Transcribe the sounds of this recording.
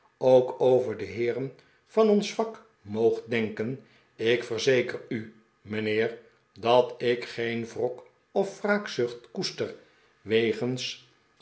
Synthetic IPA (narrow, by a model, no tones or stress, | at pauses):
owkowvəɹdəɦɪːɾən | v̥ɑnɔnsfɑk | mowχdɛŋkən | ɪkfəɹzejkəry | mənɪːɹ | dɑtɪkχejnvrɔk | ɔfːraːksɵχtkustər | ʋejχəns